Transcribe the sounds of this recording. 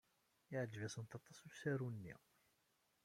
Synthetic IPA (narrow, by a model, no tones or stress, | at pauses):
ɪʕd͡ʒvæsənt̪ɑt̪ˤːɑsˤusæɾunːḭ